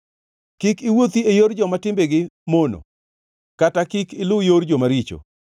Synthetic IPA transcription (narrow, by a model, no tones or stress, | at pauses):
kikɪwot̪iejoɾd͡ʒɔmatɪmbeɡɪmono̰ | katakɪkɪlʊjoɾd͡ʒomaɾit͡ʃo̰